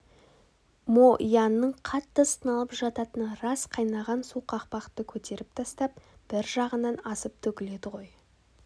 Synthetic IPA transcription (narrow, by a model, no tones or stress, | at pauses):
moʔjɑnːəɴqʰɑt̪ːəst̪ənɑlˠəpʒɑt̪ɑt̪ənəɾɑsqʰɑjnɑʁɑnsuqʰɑqpɑqt̪əkʲʰɵt̪e̞ɾɪp̚t̪ʰɑst̪ɑp̚b̥ɪɾʒɑʁənɑnɑsəp̚t̪ʰɵkʲɪle̞d̪ɪʁo̞j